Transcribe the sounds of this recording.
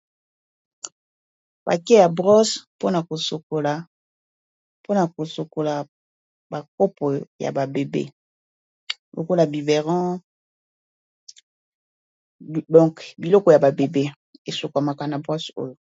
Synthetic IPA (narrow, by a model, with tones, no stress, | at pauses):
b̥a̰˨kɛ˦ja˨bʁɔ˦spo˦na˨ko˨so˨ko˨la˨ | po˦na˨ko˨so˨ko˨la˨ | ba˨ko˦po˨ja̰˨ba˨be˨bḛ˦˨ | lo̰˨ko˦la˨bi˨ve˨ʁɑ̃˦˨ | dɔ̃˨ŋkbi˨lɔ˦kɔ˨ja˨ba˨be˨be˦ | e˨so˨ka˨ma˨ka˨na˨bʁɔ˦so̰˦jo˨